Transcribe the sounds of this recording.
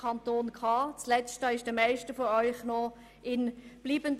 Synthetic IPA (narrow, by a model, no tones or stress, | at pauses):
ɑntoːnkʰɑːt͡slɛstaɪʃd̥əmæɪʃtəfɔœʏχnɔ | ɪnb̥liːbənd